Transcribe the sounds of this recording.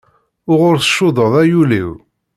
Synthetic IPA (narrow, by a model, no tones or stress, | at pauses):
ʊʁʊɾθə̥ʃːʊðˤəðˤæjulḭw